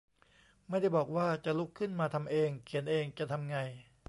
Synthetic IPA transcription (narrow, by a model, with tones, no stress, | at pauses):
ma˥˩jda˥˩jbɔː˨˩k̚waː˥˩t͡ɕa˨˩ʔlu˦˥kʰːɯ˥˩nmaː˧t̪ʰa˧mʔeː˧ŋkʰi˨˩˦nʔeː˧ŋt͡ɕa˨˩˨t̪ʰa˧mŋa˧j